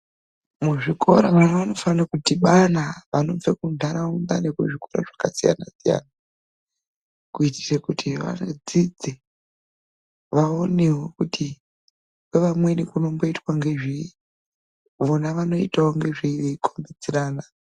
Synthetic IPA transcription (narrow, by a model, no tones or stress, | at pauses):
muʐiko̞ɾaʋanaʋano̞fanakutiɓanaʋano̞b͡vekundʱaɾaund̪ane̞kuʐiko̞ɾa̰ʐakasija̰na̰sija̰ːna | kuiti̥sekutʰiʋa̰nod͡zid͡ze | ʋaonewokutʰi | weʋamwe̞nikuno̞mbo̞itwaŋɡe̞ʐi | ʋonaʋano̞itaoŋɡe̞ʐiʋeikʰombid͡ziɾaːna